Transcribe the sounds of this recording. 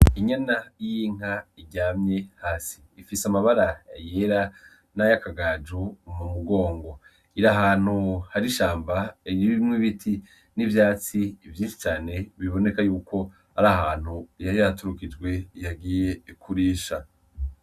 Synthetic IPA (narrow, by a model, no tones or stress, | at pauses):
iɲanajiːŋ̥aiɟaːmɲe̞haːsi̥ːfisamaβaɾaja̰jeɾa | najakaɡad͡ʒumumuɡo̞ːŋɡo̞ | iɾaɦaːn̥huhaɾiʃaːmbaɾiβimwiβitʰi | nivjaːt͡siːvjinʃi̥t͡ʃaːne̞βiβo̞ne̞kajuːkʰo̞ | haɾahaːn̥hujaɾijatuɾukid͡ʒɡwe̞jaɡiːje̞kʰuɾiːʃa